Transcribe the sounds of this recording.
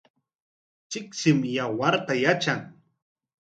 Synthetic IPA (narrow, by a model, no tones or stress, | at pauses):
t͡ʃɪksɪmjawaɾt̪ajat͡ʃaŋ